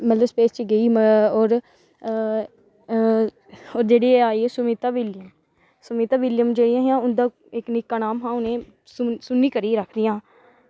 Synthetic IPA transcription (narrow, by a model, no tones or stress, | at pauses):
mət̪ləspeːst͡ʃəɡəiːoːɾ | oːɾd͡ʒeːɽiːeaːiːeːsʊmiːt̪aːʋɪljəm | sʊmiːt̪aːʋɪljəmd͡ʒeːɽɪjãːɦjãːʊnd̪ãː | ɪknɪkːaːnaːmɦãːʊnẽː | ssʊnːiːkəɾiːɾəkʰd̪ɪjãː